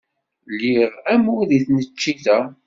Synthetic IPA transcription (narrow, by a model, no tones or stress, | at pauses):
lːiʁæmuðiθnət͡ʃːiθæ